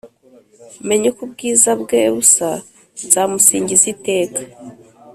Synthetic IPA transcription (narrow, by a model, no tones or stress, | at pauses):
me̞ɲekubɡiːzabɡeβusa | zaːmusiːɲɟizite̞ːkḁ